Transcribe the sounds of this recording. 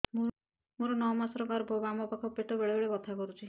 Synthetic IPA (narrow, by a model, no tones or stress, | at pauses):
mu | muɾɔnɔmasɔɾɔbaɾbʱobamɔpakʰɔpeʈɔbeɭebeɭebɔt̪ʰakɔɾut͡ʃʰi